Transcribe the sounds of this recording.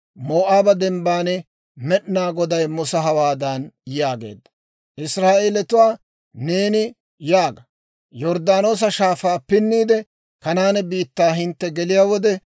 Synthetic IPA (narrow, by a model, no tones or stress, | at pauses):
moːʔaːbɐd̪ɛmbaːnɛ | mɛɗnaːɡɔd̪ɐjmʊsɐɦɐwaːd̪ɐnjaːɡe̞̰ːd̪ːɐ̥ | ʔɪsɾaːʔeːlɛt̪ʊwaː | ne̞ːnɪ | jaːɡɐ | jɔɾd̪aːno̞ːs̬ɐʃaːfaːpɪnːiːd̪ɛ | kɐnaːnɛbiːt̪ːaːɦɪnt̪ːɛɡɛlɪjaːwɔd̪ɛ